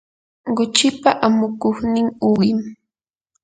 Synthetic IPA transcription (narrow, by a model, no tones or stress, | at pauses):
ɢʊt͡ʃɪpaʔamʊkoχnɪŋʊɢɪm